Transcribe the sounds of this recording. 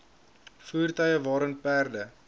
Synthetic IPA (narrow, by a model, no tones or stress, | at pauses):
fuːrtœjəvɑːɾənpæːrdə